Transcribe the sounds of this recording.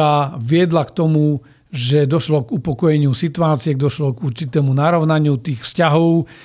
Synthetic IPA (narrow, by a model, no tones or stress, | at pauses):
aʋɪɛd̪lakt̪ɔmu | ʒɛd̪ɔʃlɔɡupɔkɔjɛɲɪusit̪uaːt͡siɛɡd̪ɔʃlɔɡuɾt͡ʃit̪ɛːmunaɾɔʊnaɲɪut̪iːxfscaɦɔʊ